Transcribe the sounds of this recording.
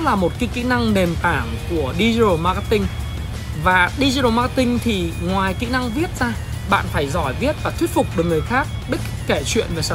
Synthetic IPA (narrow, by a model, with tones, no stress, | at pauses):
laː˨˩mo˨˩t̚kaː˧˨˦jkḭ˧˥na˧ŋne˨˩mt̪aː˧˩ŋku˧˩əɗi˧zi˧ɗo˨˩ma˧ka˧˥t̪ï˧ŋ̟ | vaː˨˩ɗi˧zi˧o˨˩maː˧kt̪ï˧ŋ̟t̪ʰi˨˩ŋwaː˨˩jkḭ˧˥na˧ŋvi˦˥ət̚zaː˧ | ɓa̰ː˧˨nfaː˧˩jzɔ˧˩jvi˦˥ət̚vaː˨˩wi˦˥ət̚fʊ˨˩k͡p̚ɗɨ˨˩əŋ˨˩əjxaː˦˥k̚ɗɨ˦˥k̚ | kːe˧˩t͡ɕwḭ˧˨ənve˨˩s